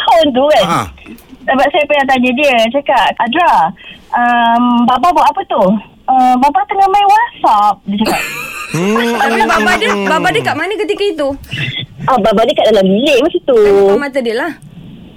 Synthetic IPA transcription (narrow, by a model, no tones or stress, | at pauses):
kant̪̬uɡan | səbap̚sajəpəjaŋt̪̬aɲədiət͡ʃakaʔ̚adɾaʔəmbababaʔapət̪u | əmbabat̪əŋamajwasap̚diət͡ʃakkap̚ | aababadebabadekaʔmanəkət̪ikəit̪u | ababadekaʔ̚dalambileʔmasit̪umat̪ədilah